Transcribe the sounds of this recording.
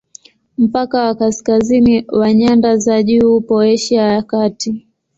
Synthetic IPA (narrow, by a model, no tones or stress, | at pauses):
m̩pakawakaskaziniwaɲandazaʄupɔɛʃiajakati